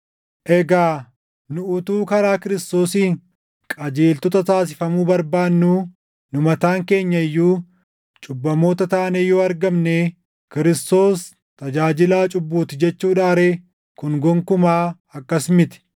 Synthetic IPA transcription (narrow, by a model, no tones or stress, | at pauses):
ʔɛɡaː | nʊʔʊt̪uːkɐɾaːkɪɾɪst̪o̞ːsiːŋ | kʼɐd͡ʒeːlt̪ɔt̪ɐt̪aːs̬ɪfɐmuːbɐɾbaːnːuː | nʊmɐt̪aːŋke̞ːɲːɐɪjːuː | t͡ʃʼʊbːɐmo̞ːt̪ɐt̪aːneːjɔːɐɾɡɐmneː | kɪɾɪst̪o̞ːs | t̪ɐd͡ʒaːd͡ʒɪlaːt͡ʃʼʊbːuːt̪ɪd͡ʒɛt͡ʃːuːᶑaːɾeː | kʊŋɡɔŋkʊmaː | ɐkːɐsmɪt̪ɪ̥